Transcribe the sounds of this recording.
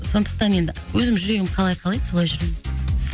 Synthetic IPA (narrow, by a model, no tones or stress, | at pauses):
so̞nd̪ə̥q̚t̪ɑne̞d̪ɪwʔɵzɪmʒʏɾe̞ɡʲɪmqʰɑlˠɑjqʰɑlˠɑjd̪̥so̞lˠɑjʒʏɾem